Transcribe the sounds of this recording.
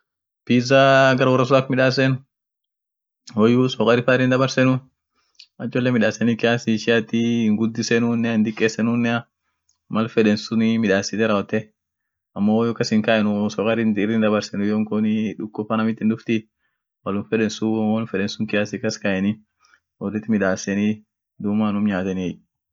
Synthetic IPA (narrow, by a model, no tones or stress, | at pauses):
piːzaɡɐɾwɔrːɐs̬ɔakmɪᶑaːs̬ɛn | hɔjusɔkʼɐɾɪfaɪɾːɪnd̪ɐbɐɾsɛnʊ | ɐt͡ʃːɔlːɛmɪᶑaːsɛnɪkɪjaːsɪʃɪjat̪ːɪŋɡʊd̪ːɪsɛnuːnːɛɪnd̪ɪkʼːeːsɛnunːɛɐ | mɐlfɛᶑɛnsʊnɪmɪᶑaːsɪt̪ɛɾɐwɔt̪ːɛ | ɐmːoːjɔkːɐsɪŋkɐʔɛnʊsɔkʼɐɾɪnɪrɪnd̪ɐbɐɾsɛnʊjoːŋkɔnɪᶑʊkʼːʊfɐnɐmɪt̪ːɪnd̪ʊft̪ɪ | wɐlʊnfɛᶑɛnsʊɔlfɛᶑɛnsʊŋkɪjaːsɪkːɐskɐʔɛnɪ | wɔrːɪt̪ːmɪᶑaːsɛni | d̪ʊmanʊmɲaːt̪ɛni